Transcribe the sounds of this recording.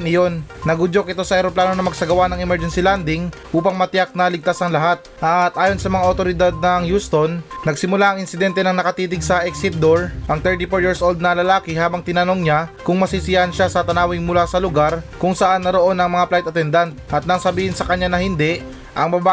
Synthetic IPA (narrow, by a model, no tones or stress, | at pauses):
nɪjo̞nːɐɡʊd͡ʒo̞kʔɪt̪o̞sɐʔɛɾoplaːno̞nɐmɐɡ̚sɐɡɐwanɐŋɛmɛɾd͡ʒɛnsɪland̪ɪŋʔuːpɐŋmɐt̪ɪjak̚nɐlɪɡ̚t̪asɐŋlɐɦat̪̚ʔat̪̚ʔaːjo̞nsɐmɐŋaʔot̪o̞ɾɪd̪ad̪̚nɐŋjuːst̪o̞nːɐɡ̚sɪmʊlaʔɐŋɪnsɪd̪ɛnt̪ɛnɐŋnɐkɐt̪iːt̪ɪɡsɐʔɛksɪt̪̚d̪oɹʔɐŋt̪ɛɹt̪ifoɹjiɹsʔo̞ld̪̚nɐlɐlaːkɪɦaːbɐŋt̪ɪnɐno̞ŋɲakʊŋmɐsisɪjanʃasɐt̪ɐnaːwɪŋmʊlasɐlʊɡaɾkʊŋsɐʔanːɐɾoʔo̞nɐŋmɐŋaplajt̪ɐt̪ɛnd̪ant̪̚ʔɐt̪̚nɐŋsɐbiːhɪnsɐkɐɲːanɐhɪnd̪ɛʔ | ʔɐŋbaba